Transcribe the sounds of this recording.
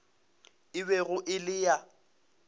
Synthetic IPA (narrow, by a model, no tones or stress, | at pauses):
ɪβɛɣʊʔɪlɪja